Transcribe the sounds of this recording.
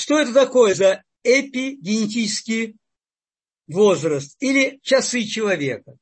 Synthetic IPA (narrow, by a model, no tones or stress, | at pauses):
ʂt̪oɛt̪ət̪ɐko̞jəzɐ | ɛpʲɪɡʲɪnʲɪtʲit͡ɕɪskʲɪj | vo̞zrəst̪ilʲɪt͡ɕɐsɨt͡ɕɪlˠɐvʲe̞kə